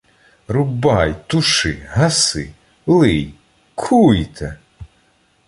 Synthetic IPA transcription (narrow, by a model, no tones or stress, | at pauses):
ɾʊbɑjt̪ʊʃɪ̰ɦɐsɪ̰ | lˠɪj | kʰujt̪ʰɛ